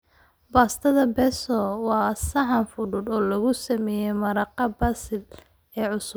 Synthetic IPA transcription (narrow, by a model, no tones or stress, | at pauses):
baːst̪ʰɐðɐbɛsɔwɑːsɐħɑnfʊɽʊd̪ɔːlɐɣʊsɐmɛːjɛmɐɾɑqɑbɐsɪl | ɛːʕʊsʊ